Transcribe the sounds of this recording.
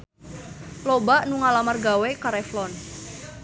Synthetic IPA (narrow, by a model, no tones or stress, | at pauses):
lobaʔnuŋalamarɡawekaɾɛflɔn